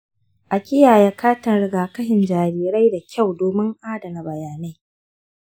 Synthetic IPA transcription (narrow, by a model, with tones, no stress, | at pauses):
ʔa˨kʲɪ˦jaː˨ja˦kʰaː˦tɐ˨nɽɪ˦ɡaː˨kɐ˦hɪ˨nd͡ʒaː˨niː˨ɾa˦jda˨kʲa˦˨wdoː˨mɪ˦ŋʔaː˦dɐ˨na˨bɐ˨jaː˨na˦j